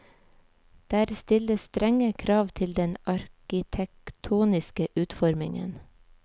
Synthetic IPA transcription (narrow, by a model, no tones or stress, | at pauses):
d̪̥æːɾst̪ɪləsst̪ɾɛŋəkʰɾɑːʋt̪ʰɪld̪ɛnɑɾkɪt̪ʰɛk̚t̪ʰuːnɪskəʔʉːt̪fɔɾmɪ̰ŋə̰n